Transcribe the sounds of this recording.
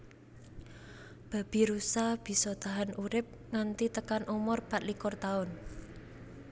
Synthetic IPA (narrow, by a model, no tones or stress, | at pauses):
b̥a̤b̥i̤ɾusab̥i̤sɔt̪aɦanʔuɾɪp̚ŋant̪it̪əkanʔumʊrpat̪likʊrt̪aʊn